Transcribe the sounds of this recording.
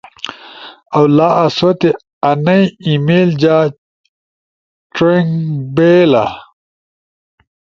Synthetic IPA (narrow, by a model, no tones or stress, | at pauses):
ɐwlaːʔɐsot̪e | ɐnɐjimeːld͡ʑaː | ʈ͡ʂeŋbeːla̰